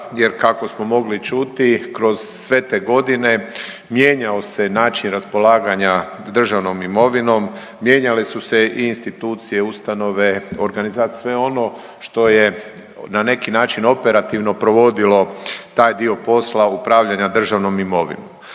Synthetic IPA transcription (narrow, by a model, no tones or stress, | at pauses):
je̞ɾkako̞smo̞mo̞ɡlit͡ʃut̪ikɾo̞z̥ːʋe̞t̪e̞ːɡo̞d̪ine̞ | mje̞ːɲao̞se̞naːt͡ʃinɾaspo̞laːɡaɲa | d̪r̩ʒaʋno̞mimo̞ʋino̞mː | je̞ːɲalesuse̞iːnst̪it̪uːt̪sije̞ust̪ano̞ʋe̞oɾɡanizat̪sʋe̞o̞no̞ | ʃt̪o̞je̞ | nane̞kinaːt͡ʃino̞pe̞ɾat̪iʋno̞pɾo̞ʋo̞d̪ilo̞t̪aːjd̪io̞po̞slaupɾaːʋʎaɲad̪r̩ʒaʋno̞mimo̞ʋḭnomm